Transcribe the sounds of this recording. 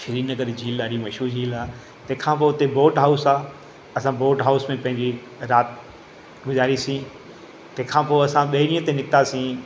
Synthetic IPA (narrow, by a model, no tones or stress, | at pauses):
ʃɪɾiːnəkəɾd͡ʑiːlaːɾimɐʃuːɾd͡ʑiːlaː | t̪ɐ̃ɦkʰãːpoːt̪eboːʈɦaːʊsaː | ɐsãboːʈɦaːʊsmẽpɐ̃ɦɪ̃ɲd͡ʑi | ɾaːt̪ | ɡʊzaːɾisĩ | t̪ẽːkʰãːpoːɐsãɓɐɪɾĩːə̃t̪ẽnɪkt̪asĩ